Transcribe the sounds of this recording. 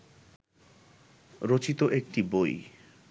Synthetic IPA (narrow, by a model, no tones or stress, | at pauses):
ɾot͡ɕit̪oʔek̚ʈiboj